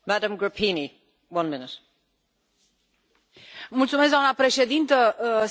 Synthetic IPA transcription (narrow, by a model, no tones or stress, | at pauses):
madə̃mɡɹəpʰĩni | wʌ̃nmɪnɪt | mult̪sumesɡd̪amnapɾe̞ʃe̞d̪int̪ə